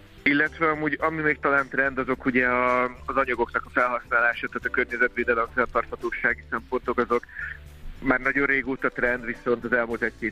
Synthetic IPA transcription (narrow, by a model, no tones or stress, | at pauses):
ilːɛt̪ʋɛɒmuːɟɒmimeːk̚t̪ɒlaːnt̪rɛnd̪ɒzo̞kuɟɛɒːzɒɲɒɡo̞knɒkɒfɛlɦɒsnaːlaːʃaːt̪aːt̪ɒkørɲɛzɛt̪ʋeːd̪ɛlɛɱfɛnt̪ɒrt̪hɒt̪oːʃaːɡisɛmpo̞nt̪o̞kɒzo̞k | maːrnɒɟo̞rreːɡoːt̪ɒt̪rɛnd̪ʋiso̞nt̪ɒzɛlmult̪ɛc̚keːt̪